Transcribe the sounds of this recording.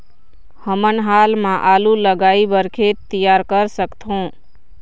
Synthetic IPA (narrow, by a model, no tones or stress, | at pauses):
həmənɦaːlmãʔaːluləɡaːibəɾkʰet̪ijaːɾkəɾsəkt̪ɦõː